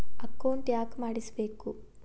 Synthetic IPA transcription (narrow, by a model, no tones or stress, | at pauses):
ɐkːɐwɳʈjaːkmaːɽisɐbe̞ːku